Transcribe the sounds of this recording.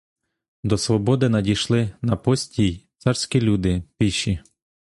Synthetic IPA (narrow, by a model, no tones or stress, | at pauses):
d̪ɔsʋɔbɔd̪ɪnɐdʲijʃlˠɪnɐpɔsʲtʲijt̪sɑrsʲkʲilʲud̪ɪpiʃi